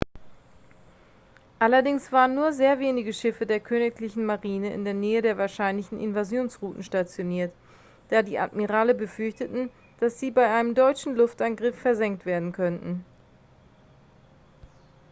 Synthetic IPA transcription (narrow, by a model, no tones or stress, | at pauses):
ʔalɐdɪŋsv̥aːʁənːuːɐzeːɐveːnɪɡəʃɪfədeːɐkʰøːnɪklɪçn̩maʁiːnəʔɪ̰ndeːɐnɛːədeːɐvaːɐʃaɪnlɪçn̩ʔɪ̰nvazjoːnsʁuːtn̩ʃtat͡sjoniːɐt | d̥aːdiːʔa̰tmiʁaːləbəfʏɐçtətn̩ | d̥asz̥iːbaɪʔaɪnəmdɔʏt͡ʃn̩lʊftʔanɡʁɪfːɛɐzɛŋk̚tv̥eːɐdn̩kʰœntn̩